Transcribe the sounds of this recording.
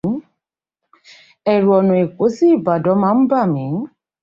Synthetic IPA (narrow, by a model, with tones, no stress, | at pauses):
ɛ˨ɾu˨ɔ˨nũ˨e˨ko˨˦si˦i˦˨ba˨dɔ˨˦mãː˧˦ba˦˨mĩ˨˦